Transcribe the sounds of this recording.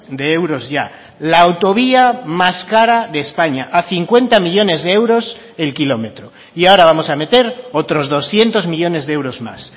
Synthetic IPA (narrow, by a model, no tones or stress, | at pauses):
d̪e̞ewɾo̞zʝa | laːwt̪o̞β̞iamaskaɾaðe̞ːspaɲaʔaθiŋkwe̞nt̪amiʎo̞ne̞zðee̞wɾo̞s | e̞lkilo̞me̞t̪ɾo | iao̞ɾaβamo̞same̞t̪e̞ɾot̪ɾo̞zðo̞sθje̞nt̪o̞zmiʎo̞ne̞zðeewɾo̞zma̰s